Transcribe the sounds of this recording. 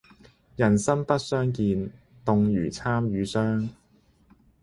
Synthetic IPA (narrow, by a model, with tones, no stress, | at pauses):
jɐ˨˩nsɐ˥mpɐ˥t̚sœː˥ŋkiː˧n | t̪ʊ˨˧ŋjyː˨˩t͡sʰaː˥mjyː˨˧sœː˥ŋ